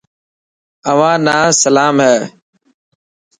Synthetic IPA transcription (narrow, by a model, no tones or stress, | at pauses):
əʋãːnaːsəlaːmɦɛː